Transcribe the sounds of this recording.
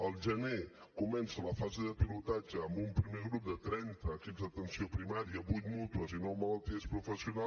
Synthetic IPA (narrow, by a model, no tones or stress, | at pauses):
əlˠʒəne | kumɛnsələfazeðəpilut̪ad͡ʒəːmbumpɾimeɣɾup̚d̪ət̪ɾɛnt̪əːkipzd̪ət̪ənsiopɾimaɾiəbujt̪mut̪uəzinɔwmələlˠt̪iəspɾufəsiuna